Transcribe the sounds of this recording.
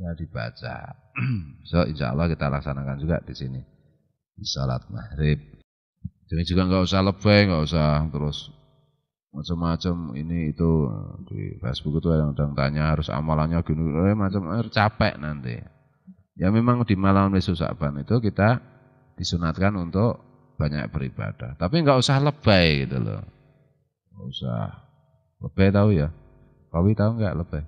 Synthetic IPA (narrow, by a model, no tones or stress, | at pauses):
jad̪̥ib̥a̰t͡ʃa̰ | b̥i̥sɔḭnʃa̰ʔa̰lːahkit̪alaksanakand͡ʒuɡa̰ʔd̪̥isini | d̥isɔla̰t̪̚ma̰hɾɪp̪̚ | d͡ʒ̥aŋid͡ʒuɡaŋɡaʔusahləb̥ɛŋɡaʔusaht̪əɾʊs | mat͡ʃəmːat͡ʃəmḭniːt̪ṵd̪̥ḭfɛ̰sb̥ukit̪uajaŋd̥aŋt̪a̰ɲaɦaɾʊsa̰malaɲaɡ̥unemat͡ʃəmt͡ʃapɛ̰ʔnant̪ḭ | jamemaŋdimalamlisusa̰b̥anit̪ukit̪a | d̥isunat̪̚kanunt̪ʊʔ | b̥aɲa̰k̚b̥əɾib̥a̰d̥aht̪apiŋɡaʔusahləb̥ajɡit̪ulɔ̰ | ŋɡaʔusa̰h | ləb̥ɛt̪auja | kawit̪auŋɡa̰ʔləb̥ɛ